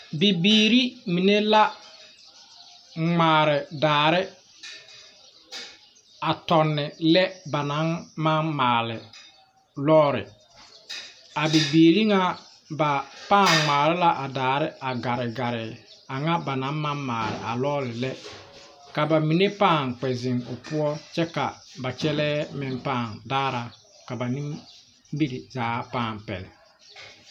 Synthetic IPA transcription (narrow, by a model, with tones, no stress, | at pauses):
bi˨biː˨ɾi˦mi˨ne˦la˦ | ŋ͡maː˨ɾɪ˨daː˨ɾɪ˦ | a˨tɔ˨nːɪ˨lɛ˦ba˨na˨˦nma˦nmaː˨lɪ˨ | lɔː˦ɾɪ̰˨ | a˨bi˨biː˨ɾi˦ŋa˦ | ba˨paː˦˨ŋŋ͡maː˨lɪ˦la˦ʔa˨daː˨ɾɪ˦a˨ɡa˨ɾɪ˨ɡa˨ɾɪ˨ | a˨ŋa˦ba˨na˨˦mma˦nmaː˨lɪ̰˨ʔa̰˨lɔː˦lɪ˨lɛ˦ | ka˨ba˨mi˨ne˦paː˦˨ŋk͡pɛ˨zɪ˨ŋo˨pʊ˦ɔ˦t͡ʃɛ˦ka˨ba˨t͡ʃɛ˦lɛː˦mɪ˨npaː˦˨ŋdaː˦ɾa˨ | ka˨ba˨ni˦m | bi˦ɾɪ˨zaː˨˦paː˦˨mpɛ̰˨lɪ̰˨